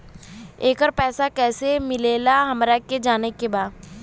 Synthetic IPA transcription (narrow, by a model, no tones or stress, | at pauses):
eːkəɾpɛːsakɛːsemɪleːlaɦɐmɾaked͡ʒaːnekebaːd̪